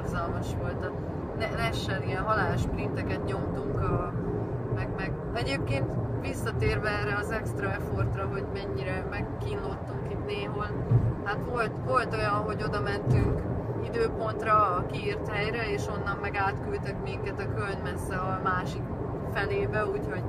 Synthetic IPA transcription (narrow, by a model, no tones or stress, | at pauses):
rzɒlmɒʃʋo̞lt̪ɒ | nɛnɛʃːɛnijɛnɦɒlaːloʃprint̪ɛkɛt̪ɲo̞mt̪uŋkɒ | mɛɡmɛɡ | ɛɟeːp̚keːnt̪ʋisːɒt̪eːrbɛɛːrːɛɒzɛkst̪rɒɛfo̞rt̪rɒɦo̞ɟmɛɲːiɾɛmɛkːiːnlot̪ːuŋkit̪neːɦol | hat̪ʋo̞lt̪ʋo̞lt̪o̞jɒnɦo̞ɟo̞d̪ɒmɛnt̪yŋkid̪øːpo̞nt̪rɒkiiːrt̪hɛjɾɛeːʃo̞nːɒmːɛɡaːt̪kylt̪ɛkmiŋkɛt̪ɒkølnmɛsːɛɒmaːʃik | fɛleːbɛuːcho̞ɟ